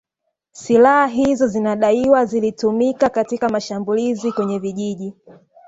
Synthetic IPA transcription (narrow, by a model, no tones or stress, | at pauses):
silahaɦizɔzinaɗaiwazilitumikakatikamaʃambulizikwɛɲɛviʄiʄi